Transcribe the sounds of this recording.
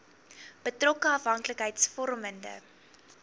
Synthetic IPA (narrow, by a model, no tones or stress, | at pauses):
b̥ətrɔkəɐfɦɐŋkləkɦəjtsfɔrməndə̰